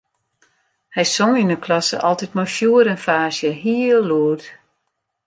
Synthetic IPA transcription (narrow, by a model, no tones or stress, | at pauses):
hɛjsoŋinəklɔsə̰ʔɔlˠtitmɔjfjuəɾənfaːsjəɦiːlːuət